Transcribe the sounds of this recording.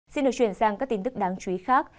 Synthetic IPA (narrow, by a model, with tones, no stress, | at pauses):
si˧nɗɨ˨˩k̚t͡ɕwi˧˩ənsaː˧˩ŋkaː˦˥kt̪i˧nt̪ɨ˦˥k̚ɗaː˨˦ŋt͡ɕwi˨˦xaː˦˥k̚